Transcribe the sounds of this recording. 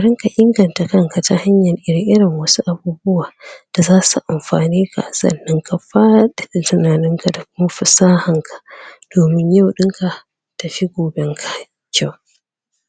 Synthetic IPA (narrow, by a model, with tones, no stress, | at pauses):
ʔa˨ɾɪ˦ŋka˨ʔɪ˦ŋɡɐ˨nta˨kɐ˦ŋka˨ta˨ha˦ɲjɐ˨lʔɪ˦ɾɪ˨ŋʔɪ˦ɽɪ˨ŋwɐ˦su˦ʔa˨buː˦bʊ˦waː˨d̥a˨zaː˦su˨ʔa˨mɸaː˨niː˦ka̰˨ʔsɐ̰˦˨nːɪ˦ŋka˨ɸaː˦ɗɛ˨ɪ˨tɪ˨naː˨nɪ˦ŋka˨da˨k̚ʊ˦ma˦ɸɪ˨saː˦hɐ˨ŋkʰḁ˨d̥oː˨mɪ˦ɲja˦wɗɪ˦ŋka˨ | tɐ˨ɸi˦ɡʷoː˨bɛ˦ŋkʰḁ˦ | kʲʰa˦w